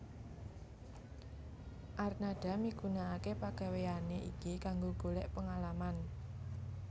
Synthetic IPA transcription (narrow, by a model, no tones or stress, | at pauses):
ʔarnaɖ̥a̤miɡunaakepaɡ̥a̤weaneʔḭkikaŋɡoɡ̥o̤lɛʔpəŋalaman